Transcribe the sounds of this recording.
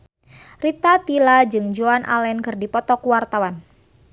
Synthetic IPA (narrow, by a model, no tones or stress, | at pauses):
rit̪at̪ilad͡ʒɨŋd͡ʒoanʔa̰lɛnkɨrdipɔt̪ɔkuwart̪awan